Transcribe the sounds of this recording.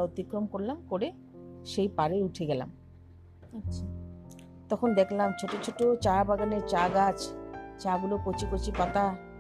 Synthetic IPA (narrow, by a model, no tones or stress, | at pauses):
ot̪ikɾomkoɾlamkoɾe | ʃejpaɾeuʈʰeɡɛla̰m | atːɕʰa | t̪ɔkʰond̪ekʰlamt͡ɕʰoʈot͡ɕʰoʈot͡ɕabaɡaneɾt͡ɕaɡat͡ɕt͡ɕaɡulokot͡ɕikot͡ɕipat̪a